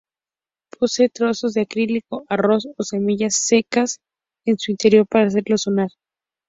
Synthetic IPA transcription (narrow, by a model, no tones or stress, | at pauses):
pʰo̞seːt̪ɾoso̞zðeakɾiliko̞ʔaro̞so̞se̞miʝasːe̞kas | e̞nsuint̪e̞ɾjo̞ɾpaɾaːs̬e̞ɾlo̞so̞naɾ